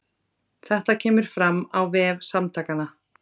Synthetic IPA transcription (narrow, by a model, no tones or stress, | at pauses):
θɛht̪acʰɛːmʏɾ̥fɾamːawvɛːvsamt̪ʰaːkana